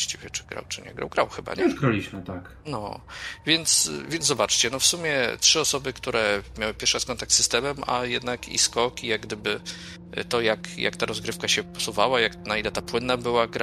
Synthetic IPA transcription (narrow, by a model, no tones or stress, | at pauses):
ɕt͡ɕivʲjɛt͡ʂɘ̥ɡɾa̰wt͡ʂɘɲɛ̰ɡɾa̰wɡɾawxɘba̰ɲɛuʐɡɾalʲiɕmɘt̪ak | nɔ̰vʲjɛnt̪svʲjɛnzɔbat͡ʂt͡ɕɛnɔfsumʲjɛtʂɘɔsɔbɘkt̪uɾɛmjawɘpʲjɛɾfʂaskɔnt̪akt̪ːɨ̥st̪ɛmɛma̰jɛd̪nakʰḭskɔkijaɡ̚ɡd̪ɘbɘ̰ | t̪ɔjakja̰kt̪aɾɔzɡɾɘfkaɕɛpɔsuvawajaknailɛt̪apwɘnːabɘwaɡɾa